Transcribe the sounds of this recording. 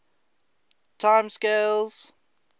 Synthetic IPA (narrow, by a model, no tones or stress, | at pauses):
tʰãɪ̃mskelz̥